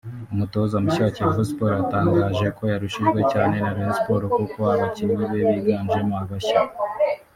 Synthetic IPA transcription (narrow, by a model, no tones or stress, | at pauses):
umuto̞zamucaaceɾavuspoɾataːŋɡaːʒe̞ko̞jaɾuʃiʒɡwe̞caːne̞naβenspo̞ɾokukohaβacimezeβiɡaːnʒemuaβaɕa